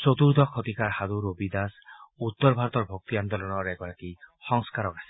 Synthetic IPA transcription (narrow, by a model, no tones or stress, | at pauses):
t͡sot̪uɾd̪ʱɔkʰot̪ikaɾhad̪uɾobid̪asut̪ːɔɾbʱaɾɔt̪ɔɾbʱok̚t̪iand̪ɔlɔnɔɾɛɡɔɾakihɔŋskaɾɔkase̥